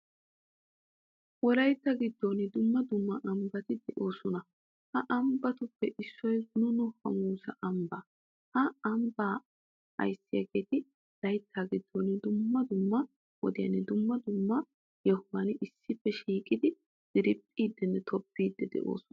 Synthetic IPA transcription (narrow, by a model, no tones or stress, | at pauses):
wɔlɐjt̪ːɐɡɪd̪ːoːnɪd̪ʊmːɐd̪ʊmːɐʔɐmbɐt̪ɪd̪ɛʔo̞ːsɔnɐ | hɐʔɐmbɐt̪ʊpːɛʔɪsːɔjnʊnʊhɐ̰muːsɐʔɐmbɐ | hɐɐmbaː | ɐ̰jsːɪjɐ̰ɡeːt̪ɪ | lɐjt̪ʰːaɡɪd̪ːoːnɪd̪ʊmːɐd̪ʊmːɐ | wɔ̰d̪ɪjɐnːɛd̪ʊmːɐd̪ʊmːɐ | jɛhʊwɐnɪsːɪpːɛʃiːkʼɪd̪ɪ | d̪̥ɪɾɪpʼːiːd̪ːɛnːɛt̪ʰɔpːiːd̪ːɛd̪ɛ̰ʔo̞̰ːsʊnɐ